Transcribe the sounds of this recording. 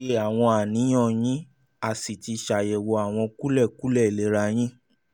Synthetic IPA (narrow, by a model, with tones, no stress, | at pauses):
e˧˦a˨w̃ɔ̃˧a˨nĩ˨˦j̃ɔ̃˦˨j̃ĩ˦ | a˨si˨ti˧ʃa˨jɛ˨wo˧a˨w̃ɔ̃˧ku˦lɛ˦˨ku˦lɛ˦˨le˨˦ɾa˧j̃ĩ˦